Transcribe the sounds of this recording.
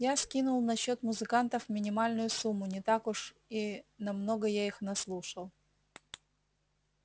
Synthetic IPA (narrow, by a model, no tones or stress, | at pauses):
jaskʲinʊlˠnɐɕːo̞t̪mʊzɨkant̪əfmʲɪnʲɪmalʲnʊjʊsumːʊnʲɪt̪akʊʂ | inɐmno̞ɡəjaixnɐslˠuʂəlˠ